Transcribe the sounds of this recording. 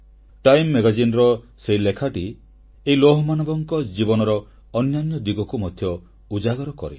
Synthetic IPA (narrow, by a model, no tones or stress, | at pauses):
ʈajmːeɡad͡ʒinɾɔ | seɦilekʰaʈi | eiloɦɔmanɔbɔŋkɔd͡ʒibɔnɔɾɔː | njanjɔd̪iɡɔkumɔd̪ʱjɔ | ud͡ʒaɡɔɾɔkɔ̰ɾḛ